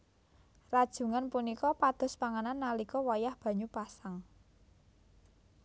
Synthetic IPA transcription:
rad̥ʒ̥ṳŋanpunikɔpad̪̥ɔ̤spaŋananːalikɔwajahb̥ä̤ɲupasaŋ

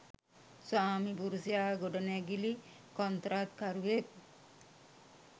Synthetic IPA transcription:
saːmibuɾusijaːɡoɖɐnæɡili | kɔnt̪ɾaːt̪̚kaɾuʋek̚

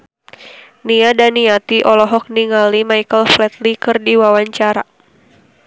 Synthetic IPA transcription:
niadaniat̪iʔɔlɔɦɔk̚niŋalimajkəlflɛt̪likɨrdiwawaɲt͡ʃaɾa

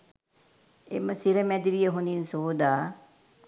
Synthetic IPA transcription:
ḛməsiɾəmɛd̪iɾijəɦuninsoːd̪aː

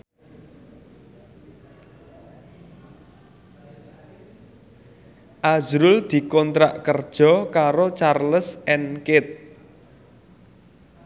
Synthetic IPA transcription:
ʔazɾʊld̪̥i̤kɔnt̪ɾa̰ʔkərd̥ʒ̥ɔ̤kaɾot͡ʃarləsɛnkɪt̪̚

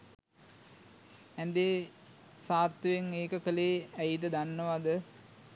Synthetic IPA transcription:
ænd̪eː | saːt̪jəʋeŋeːkəkəleːæjid̪əd̪anːəʋad̪ə

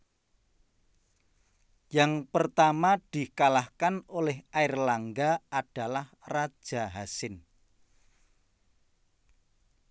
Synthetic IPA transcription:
jaŋpərt̪amad̥i̤kalahkanolɛhaɪrlaŋɡaaɖ̥a̤lahrad̥ʒ̥a̤ɦasɪn

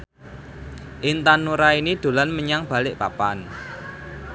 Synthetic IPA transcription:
ʔɪnt̪anuɾainid̪̥o̤lanməɲaŋb̥ä̤lɪʔpa̰pan

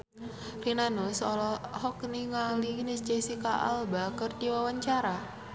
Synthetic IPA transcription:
rinanusɔlɔhɔkniŋalinist͡ʃesikaʔa̰lbakərt͡ʃiwawaɲt͡ʃaɾa

